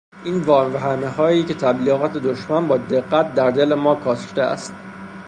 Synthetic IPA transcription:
ʔiːnvɒːmvæɦæmeɦɒːjiːcʰe̞t̪ʰæbliːɣɒːt̪ʰe̞d̪oʃmænbɒːd̪e̞ɣːæt̪̚d̪æɾd̪e̞lemɒːkʰɒːsʃt̪eæ̰st̪

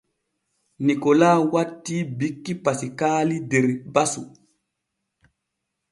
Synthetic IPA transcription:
nikɔlaːwatːiːbikːipasikaːlidɛɾbasu

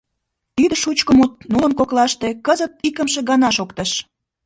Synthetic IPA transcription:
t̪id̪ə̆ʃut͡ɕkəmut̪̚nuləmkoklɑʃt̪ekəzət̪̚ikəmʃe̽ɡɑnɑʃokt̪əʃ

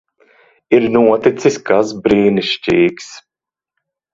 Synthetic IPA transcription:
iɾnuɔt̪it̪sisʲkasbɾiːniʃt͡ʃiːks

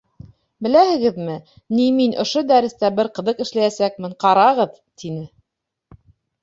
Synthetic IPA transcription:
bɘ̆læhɘ̆ɡɘðmɘ | niminʔŏʃod̪æɾɘ̆st̪æbɘɾqɤ̆ðɤqɘ̆ʃlæjæsæk̚mɘɴqɑɾɑʁɤð | t̪inɘ

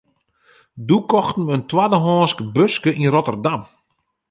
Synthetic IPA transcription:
dukɔxtən̩əntwadəɦɔːnskəbøskəʔinrotərdam

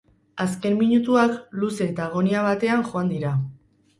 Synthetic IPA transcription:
aske̞mmiɲut̪uakluse̞t̪aɣ̞o̞niaβat̪e̞aŋxo̞and̪iɾa

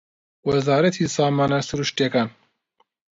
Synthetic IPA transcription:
wɐzaːɾɐt̪ʰisaːmaːnɐsuɾuʃt̪jekaːn

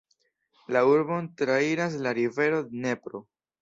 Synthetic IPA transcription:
lauɾbo̞ntɾaiɾas̬laɾive̞ɾo̞d̪ene̞pɾo̞

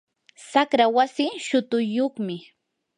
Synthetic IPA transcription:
sakɾawasɪʃʊt̪ʊjoχmɪ

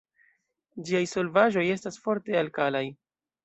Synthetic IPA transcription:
d͡ʒiajso̞lvaʒo̞je̞stasfo̞ɾte̞alkalaj

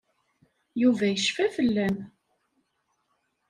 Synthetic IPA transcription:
juvæjəʃfæfəlːæm

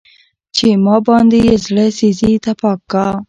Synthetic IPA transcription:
t͡ʃemɑbɑnd̪ejezɽəsizit̪apɑkːa

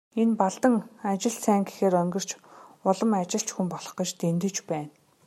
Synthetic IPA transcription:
enpaɮt̪ə̆ŋat͡ɕɪ̆ɮsæːŋɡe̥xeːɾœŋɡɪ̆r̥t͡ɕʊɮə̆mat͡ɕɪ̆ɬt͡ɕxumpɔɮɞ̆χə̆t͡ɕt̪ent̪ɘ̆t͡ɕpæːn

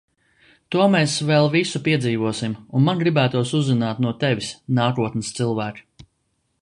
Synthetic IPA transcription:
t̪uɔmɛːsvɛlˠvisupiɛziːvuɔsimunmanɡɾibæːt̪uɔsuzːinaːt̪nuɔt̪ɛvʲisnaːkuɔt̪nɨst̪sɨlˠvæːk

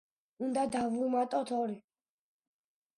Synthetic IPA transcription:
und̪ad̪avumat̪ʼɔt̪ʰɔɾi

